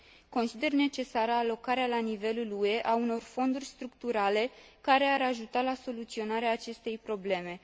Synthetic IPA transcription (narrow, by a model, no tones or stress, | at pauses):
ko̞nsid̪e̞rne̞t͡ʃe̞saɾəːlo̞kaɾealanive̞lulue̞ʔauno̞rfo̞nd̪urʲst̪ɾukt̪uɾale̞kaɾe̞aɾaʒut̪alaso̞lut̪sio̞naɾeaːt͡ʃe̞st̪e̞jpɾo̞ble̞me̞